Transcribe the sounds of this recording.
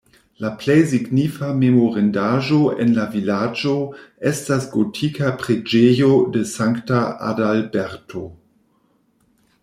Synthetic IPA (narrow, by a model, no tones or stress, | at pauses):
laplejsiɡnifamemoʁendaʒoʔḛnlavilad͡ʒoʔestasɡotʰikapʁed͡ʒejodesaŋktaa̰dalbeɾtʰo